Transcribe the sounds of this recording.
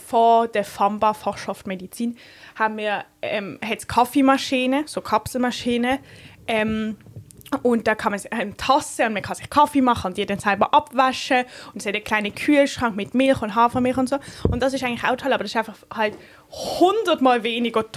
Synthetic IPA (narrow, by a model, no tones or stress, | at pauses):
fɔd̥əfɑmbafɔʃaftmedit͡siːn | haːbm̩miːɐɛmhɛtt͡skʰɑfimaʃiːnəsoːkʰɑpsl̩mɑʃiːnəʔɛm | ʊnt̚d̥ɑːkʰɑməsɛmtʰɑsəʊnməkʰɑsɪχkʰɑfemɑχəʊntd̥iːɐdɛnsalbɐʔɑbvaʃəʊndɛshɛtəkʰl̥aɪnəkʰyːəlʃʁ̥ɑŋkmɪtmɪlχʊntɦɑːfʁəmɪlχʊntszoːʊntd̥ɑs̬ɪʃaɪɡŋ̩tlɪχa̰ʊtʰɔlɑːbɐd̥ɑsɪʃaɪfɑχhɑlt | hʊndətmaːlveːnɪɡɐt